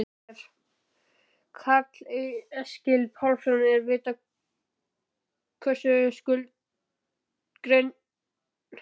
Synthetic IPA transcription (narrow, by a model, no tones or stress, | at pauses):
ɾ̥ | kʰat̪liɛscɪlpʰawlsɔnɛɾvɪːt̪a | kʰœ̥sʏskʏlt̪ | kɾeɥn